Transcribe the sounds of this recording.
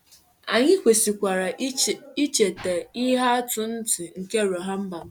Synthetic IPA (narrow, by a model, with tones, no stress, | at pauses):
a˨ɲɪ˦kʷe˨si˨kʷa˨ɾa˨i˦t͡ʃe˨te˨i˦ɦa˦a˦tʊ˨n̩˦tɪ˨ŋ̩˨ke˦˨ɾo˨ɦa˦m̩˦ba˨m̩˦